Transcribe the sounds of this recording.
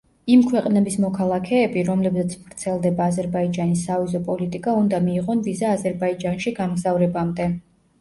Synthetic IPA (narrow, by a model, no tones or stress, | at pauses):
imkʰwɛqʼnɛbismɔkʰalˠakʰɛːbiɾɔmlɛbzat̪sʰbɾt̪sʰɛlˠd̪ɛbaːzɛɾbaid͡ʒanisːavizɔpʼɔlit̪ʼikʼaund̪amiːʁɔnvizaːzɛɾbaid͡ʒanʃiɡamɡzavɾɛbamd̪ɛ